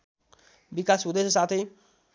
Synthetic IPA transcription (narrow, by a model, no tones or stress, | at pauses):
bikasud̪esesat̪ʰe